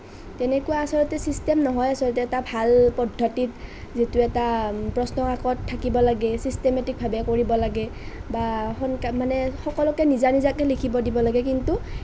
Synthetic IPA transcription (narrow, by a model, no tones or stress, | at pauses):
tɛnɛkuwaːsɔlɔtɛsistemnɔɦɔjasɔlɔt̬ɛːtabʱalpɔdʱːɔtitzitʊɛtapɹɔsnɔkakɔtʰːakibɔlaɡɛsistemɛtik̚bʱabɛkoɹibɔlaɡɛbaxɔnkamanɛxɔkɔlɔkɛnizanizakɛlikʰibɔdibɔlaɡɛkintu